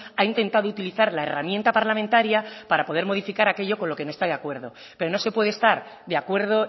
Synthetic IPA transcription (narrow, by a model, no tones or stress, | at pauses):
aint̪e̞nt̪aðout̪iliθaɾlae̞̰ramjent̪apaɾlamẽnt̪aɾjapaɾapo̞ðe̞ɾmo̞ð̞ifikaɾake̞ʎo̞ko̞nlo̞ke̞nost̪aðeakwe̞ɾðo̞ | pe̞ɾo̞no̞se̞pwe̞ðest̪aɾðeakwe̞ɾð̞o̞